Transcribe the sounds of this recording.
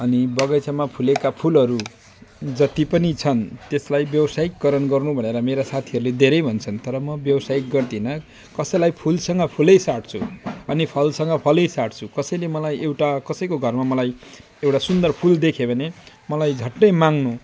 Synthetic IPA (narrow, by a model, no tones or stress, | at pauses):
ʌnibʌɡʌjt͡samapʰulekapʰulʌɾu | d͡zʌt̪ipʌnit͡sʰʌnt̪eslajbjʌbʌsaikːʌɾʌnɡʌrnubʱʌneɾʌmeɾasat̪ʰiʌɾuled̪ʱeɾʌjbʱʌnt͡sʰʌnt̪ʌɾʌmʌbjʌbʌsaik̚ɡʌrt̪inʌ | kʌsʌjlajpʰulsʌŋɡʌpʰulʌjsaʈ̚t͡sʰṵʌnipʰʌlsʌŋɡʌpʰʌlʌjsaʈt͡sʰukʌsʌjlemʌlajewʈakʌsʌjkoɡʱʌrmamʌlaj | ewʈasund̪ʌrpʰuld̪ekʰebʱʌne | mʌlajd͡zʱʌʈːʌjmaŋnu